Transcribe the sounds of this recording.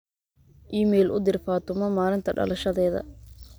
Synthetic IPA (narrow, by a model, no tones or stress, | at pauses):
ʔiːmɛːlʔʊ̰d̪ɪrfaːt̪ʰʊmɐmaːɾɪnt̪ʰɐɖɐ̰lʔɐʃɐðɛːðɐ̰